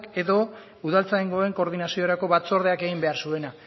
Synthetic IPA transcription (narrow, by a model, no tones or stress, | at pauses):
ke̞ðo̞ | uðalt͡saiŋɡoeŋko̞ɾðinasioɾako̞βat͡so̞ɾð̞e̞ake̞ɣimbe̞aɾsue̞na